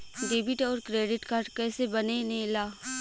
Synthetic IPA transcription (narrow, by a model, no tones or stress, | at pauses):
ɖeːbɪʈɔːɾkɾeːɖɪʈkaːɾɖkɛːsebɐnenɦĩlaː